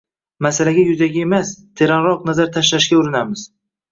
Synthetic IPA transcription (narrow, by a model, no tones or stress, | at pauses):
masalaɡʲajʊzaɡʲɪe̞mast̪ʰe̞ɾanɾɒqnazaɾt̪ʰaʃlaʃɡʲaʊɾɪnamɪz̥